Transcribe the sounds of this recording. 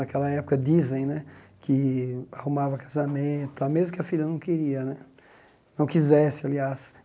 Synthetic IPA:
ɐkɛlɐɛpʊkɐd̪izẽj̃nɛ | kʰɪahumavɐkazamẽt̪ʊamezmʊkɪɐfiʎɐnɐ̃w̃keɾiɐnɛ | nɐ̃w̃kizɛsɪalias

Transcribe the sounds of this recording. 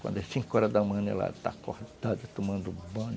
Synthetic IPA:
kɐ̃nd̪ɛsĩŋkɔɾɐd̪ɐmɐ̃nḛla̰t̪a̰koht̪ad̪ɐt̪omɐ̃nd̪ʊbɐ̃n

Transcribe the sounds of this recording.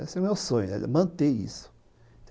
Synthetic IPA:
esɛʊ̃mewsõɲʊnɛ̰mɐ̃nt̪eḭsʊ̥ | t̪

